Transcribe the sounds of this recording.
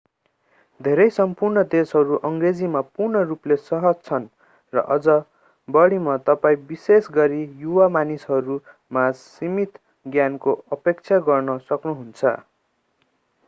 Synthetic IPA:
d̪ʱeɾʌjsʌmpurnʌd̪esɦʌɾuʔʌŋɡred͡zimapurnʌruplesʌɦʌd͡zt͡sʰʌn | rʌ̰ʔʌd͡zʌ | bʌɽimat̪ʌpaĩbisesɡʌɾijuwamanisɦʌɾu | masimit̪ | ɡjankoʌpek̚t͡sʰaɡʌrnʌsʌknuɦunt͡sʰʌ̰

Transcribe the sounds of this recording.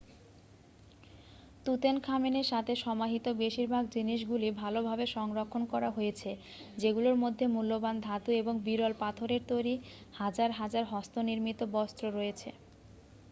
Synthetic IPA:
t̪ut̪enkʰameneɾʃat̪ʰeʃɔmaɦit̪obeʃiɾbʱaɡ̚d͡ʑiniʃ̬ɡulibʱalobʱabeʃɔŋɾokʰːonkɔɾaɦoet͡ɕʰe | d͡ʑeɡuloɾmod̪ʱːemulːoband̪ʱat̪ueboŋbiɾɔlpat̪ʰoɾeɾt̪ojɾihad͡ʑaɾɦad͡ʑaɾɦɔst̪oniɾmit̪obɔst̪ɾoɾojet͡ɕʰḛ

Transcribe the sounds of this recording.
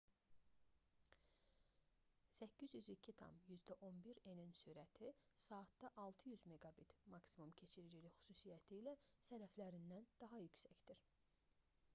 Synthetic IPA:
sæcʰːizjyzicʰit̪ʰɑ̰mjyzd̪æʔo̞nbiɾeninsyːɾæt̪ʰisɑːt̪d̪ɑʔɑlˠt̪ʰɯjyzmeɡɑbit̪mɑksimumcʰe̞t͡ʃʰiɾid͡ʒilixy̥susijæt̪ʰiːlæsæɾæflæɾind̪ænd̪̥ɑɦɑjycsæcd̪iɾ̥

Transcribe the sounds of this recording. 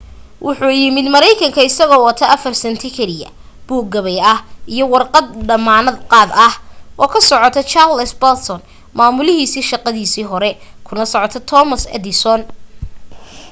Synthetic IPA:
wʔʊħuːjɪmɪd̪mɐɾɛjkʰɐŋkʰɐɪsɐɣɔːwɐt̪ʰɐʔɐfɐrsɛnt̪ʰɪkʰɛɾɪɐ̰ | b̥uːɡ̚ɡɐβɛjɐhʔijɔwɑrqɑd̪ɖɐmaːnɐd̪qɑːd̪ɐhʔɔːkʰɐsɔʕɔt̪ʰɐt͡ʃarlɛsbɛlt̪sɔn | maːmʊlɪɦiːsiːʃɑqɑðiːsiːɦɔɾɛkʰʊnɐsɔʕɔt̪ʰɐt̪ʰɔmɐsɛ̰d̪ɪsɔn

